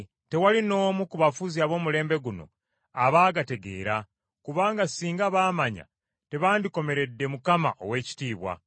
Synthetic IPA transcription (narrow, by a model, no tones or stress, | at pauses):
te̞walino̞ːmukuβafuziaβo̞ːmule̞ːmbe̞ɡuno̞̰ | aβaːɡate̞ɡe̞̰ːɾa | kuβaːŋɡasiːŋɡaβaːmaɲa̰ | te̞βaːndiko̞me̞ɾe̞dːe̞mukama̰ʔo̞̰we̞ːci̥tiːβwa̰